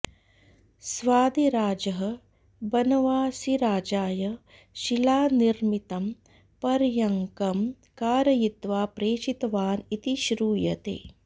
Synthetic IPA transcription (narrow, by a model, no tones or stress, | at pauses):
sʋaːd̪iɾaːd͡ʒɐɦɐ | bɐnɐʋaːsiɾaːd͡ʒaːjɐ | ʃilaːniɾmit̪ɐm | pɐɾjɐŋkɐm | kaːɾɐjit̪ʋaːpɾeːʃit̪ɐʋaːnit̪iʃɾuːjɐ̰t̪ḛː